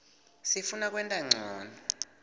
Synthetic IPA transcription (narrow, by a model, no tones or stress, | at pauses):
sifunak̬ʼwɛntʼaŋ͡ǀʱɔːna